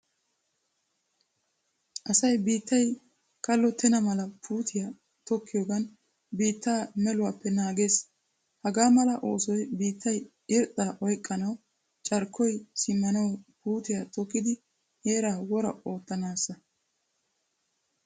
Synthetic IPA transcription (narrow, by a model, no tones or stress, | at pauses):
ʔɐsɐjbiːt̪ːɐj | kɐlːɔt̪ʰɛnɐmɐlɐpʰuːt̪ʰɪja | t̪ɔkːɪjoːɡɐn | biːt̪ːaːmɛlʊwaːpːɛnaːɡe̞ːs | hɐɡaːmɐlɐʔo̞ːsɔjbiːt̪ːɐj | ɪɾt̪ʼːaːʔɔjkʼːɐnɐw | t͡ʃʼɐɾkʰːɔjsɪmːɐnɐwpuːt̪ɪjat̪ɔkːɪd̪ɪ | heːɾaːwɔɾɐ̰o̞ːt̪ːɐnaːsːɐ